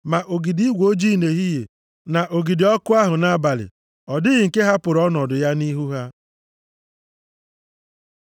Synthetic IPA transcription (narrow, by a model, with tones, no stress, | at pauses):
ma˨ʔo˨ɡi˨di˦ɡʷo˦d͡ʒi˦˨ne˨ɦi˦jḛ˨ | na˨ʔo˨ɡi˨di˨ɔ˦kʊ˦a˦ɦʊ˨na˦ba˨lɪ̰˨ | ɔ˨dɪ˦ɣɪ˨ŋ̩˨ke˦ɦa˦pʊ˨ɾɔ˦nɔ˨dʊ˨ja˦ni˦ɦu˦ɦa˦